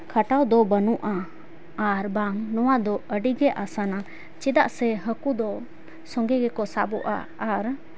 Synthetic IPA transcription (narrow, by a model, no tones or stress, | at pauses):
kʰaʈawd̪ɔbənuʔaː | ɾbaŋnɔwad̪ɔəɖiɡɛʔasana | t͡ʃid̪aʔsɛɦəkud̪ɔ | sɔŋɡɛɡɛkɔsabɔʔa̰ː | ɾ